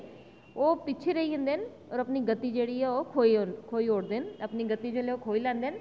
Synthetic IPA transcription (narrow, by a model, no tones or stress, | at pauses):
oːpɪt͡ʃʰeɾəiə̃nd̪en | ɔːɾəpniːɡət̪ːid͡ʒeːɽiːɛoːkʰoikʰoːiːoːɽd̪enəpniːɡət̪ːid͡ʒeːleoːkʰoːilɛ̃ːnd̪eːn